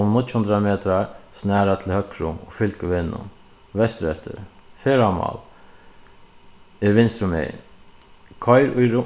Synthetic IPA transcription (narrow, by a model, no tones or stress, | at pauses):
ʊmnʊt̪ːhʊnd̪ɾameːt̪ɾaɹsnæːɾat̪ʰɪlhœkɾʊɔfɪlkəʋɪnːʊ̰ | ʋɛst̪ɾɛht̪ʰə̰ɾfɛːɾama̰l | ɛɾʋɪnst̪ɾʊmḛːj̰n | kʰɔjɾʊjɾʊ